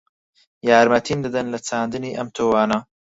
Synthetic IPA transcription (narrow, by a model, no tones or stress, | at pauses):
jaːɾmɐt̪ʰiːmd̪ɨd̪ɐnlɐt͡sʰaːnd̪ɨniːʔɐmt̪ʰoːwaːnɐ